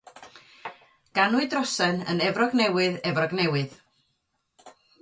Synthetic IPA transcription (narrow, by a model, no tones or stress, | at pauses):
ɡ̥anʊɨdrɔsɛnə̰nɛvrɔɡnɛwɨðɛvrɔɡnɛwɨð